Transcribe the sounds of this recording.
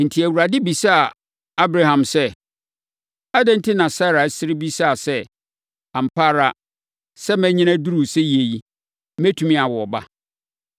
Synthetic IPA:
n̩˨tʰi˨æ˨wu˨ɾa˨dɪ˦bi˨sa˦a˨ | a˦bɾa˦ɦã˨msɛ˦ | a˦dɛ̃˦n̩˦tʰɪ˦nã˨sa˦˨ɾa˨˦sɪ˦ɾɪ˦bi˦sa˦a˨sɛ˦ | ã˨m̩˨pʰa˦ɾa˨ | sɛ˦mɛ̃˦ɲɪ̃˦næ̃˦du˦ɾu˨sɛ˦je˨ji˦ | mæ̃˦tʰũ˨mĩ˦a˨wɔ˨ɔ˨ba̰˦

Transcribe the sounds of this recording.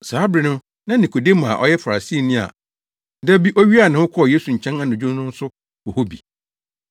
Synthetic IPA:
saː˨˦bɾɪ˨nʊ̃˦ | nã˦nĩ˨kʰo˨de˦mã˨ʔɔ̰˦jɛ˦fa˨ɾa˨si˦˨nĩ˦a̰˨ | dɛ˦bi˦ʔɔ˦ɥi˦a˨nɪ̃˨hʊ̃˦kʰɔ˦ɔ˨jeː˦su˨ɲ̩˨t͡ɕʰɛ̃˦na˨nʊ̃˨d͡ʑᶣʊ˦nʊ̃˦n̩˦sʊ˦ | ɔ˨ho˦bḭ˨

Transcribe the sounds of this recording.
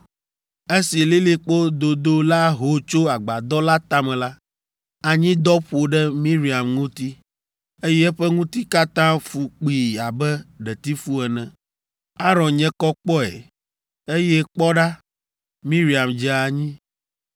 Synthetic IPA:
e˦si˨li˦li˦k͡po˦d̪o˨d̪o˦la˦ɦo˨t͡ʃo˦a˨ɡ͡ba˨d̪ɔ˦la˦t̪a˦mɛ̃˨la˦ | a˨ɲĩ˦d̪ɔ˦ɸo˨ɖɛ˦mĩ˦ɾi˨a˨mŋũ˦t̪i˦ | e˦jɛ˦ɸɛ˦ŋũ˦t̪i˦ka˦t̪ã˦fu˨k͡pi˨a˨bɛ˦ɖɛ˨t̪i˦fu˦ɛ˨nɛ̃˨ | a˦ɾɔ̃˨nɲɛ̃˦kɔ˦k͡pɔ˦ɛ̰˨ | e˦jɛ˦k͡pɔ˦ɖa˦ | mĩ˦ɾi˨a˨md͡ʒɛ˨˦a˨ɲĩ˦

